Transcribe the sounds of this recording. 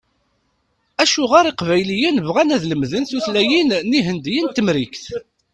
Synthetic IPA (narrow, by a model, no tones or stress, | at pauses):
æʃuʁaɾˤiqvæjlijənvʁænæðləmðənθuθlæjinniɦənd̪jint̪əmɾikθ